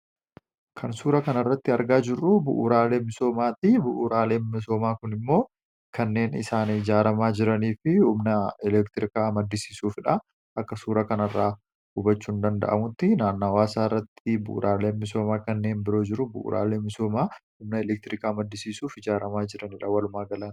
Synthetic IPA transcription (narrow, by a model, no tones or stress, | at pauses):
kʰɐnsuːɾɐkɐnɐrːɐt̪ːɪɐɾɡaːd͡ʒɪrːʊbʊ̰ʔːɾaːle̞ːmɪso̞ːmaːt̪ɪbʊʔuɾaːle̞ːnmɪs̬o̞ːmaːkʊnɪmːo̞ː | kɐnːe̞ːnɪ̰saːnɪd͡ʒaːɾɐmaːd͡ʒɪɾɐniːfɪhʊmnɐɛlɛkt̪ɪɾɪkaːmɐd̪ːɪsiːsuːfɪᶑɐ | ʔɐkːɐsuːɾɐkɐnɐrːaː | hʊbɐt͡ʃːuːnd̪ɐnd̪ɐ̰ʔɐ̰mʊt̪ːɪnaːnːaːwaːsaːrːɐt̪ːɪbʊʔʊ̰ɾʔaːle̞ːnmɪso̞ːmaːkɐnːe̞ːnbɪɾo̞ːd͡ʒɪɾʊbʊ̰ʔṵːɾʔa̰ːle̞ːmɪso̞ːmaːhʊmnɐɛlɛk̚t̪ɪɾɪkaːmɐd̪ːɪsiːsuːfɪd͡ʒaːɾɐmaːd͡ʒɪɾɐnɪᶑɐwɐlʊmaːɡɐlan